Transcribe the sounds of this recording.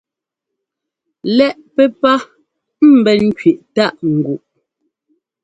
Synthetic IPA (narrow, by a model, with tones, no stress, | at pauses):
lɛ˦ʔpɛ˦pa˦ | m̩˨bɛ˨ŋ̩˦kɥe˨ʔta˦˨ʔŋ̩˨ɡu˨ʔ